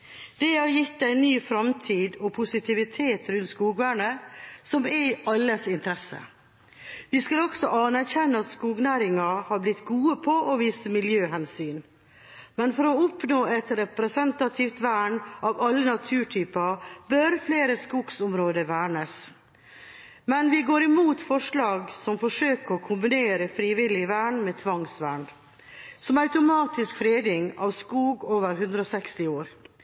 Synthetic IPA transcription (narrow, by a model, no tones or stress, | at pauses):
d̪̥ɛhɑɾjɪt̪ːæɪnːyːfɾɑmt̪ʰiːd̪ɔpʰʊsɪt̪ʰɪʋɪt̪ʰeːt̪ɾʉnt̪skuːɡʋæːɳəsɔmɛɑlːəsɪnt̪əɾɛsːə̰ | ʋɪskɑlɔɡsɔʔɑnæɾçɛnːəɑt̪skuːɡnæːɾɪŋɑhɑblɪt̪ːɡuːəpʰɔʔɔʋiːsəmɪljøːhɛnsyːn | mɛnfɔɾɔʊpnoːɛt̪ɾɛpɾɛsɛnt̪ɑt̪ʰiːft̪ʋæːɳʔɑːʋɑlːənɑt̪ʰʉːʈʰyːpɑbøɾfleːɾəskuɡsʊmɾoːd̪əʋæːɳəs | mɛnʋɪɡoːɾɪmuːt̪fɔʂlɑːɡsɔmfɔʂøːkəɾɔkʰʊmbɪneːɾəfɾiːʋɪlɪʋæːɳmeːt̪ʰʋɑŋsʋæːɳ | sɔmɑʉt̪ʊmɑːt̪ɪskfɾeːd̪ɪŋɑːʋskuːɡoːʋəɾɦʉnd̪ɾəɔːsɛkst̪ɪoːɾ